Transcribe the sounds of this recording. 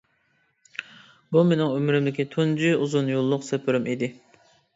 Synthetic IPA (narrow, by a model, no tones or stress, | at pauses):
bumenɪŋømɾymd̪ɪkʲit̪ʰund͡ʒyuzʊnjolˠːʊqsɛpʰyɾymid̪ɪ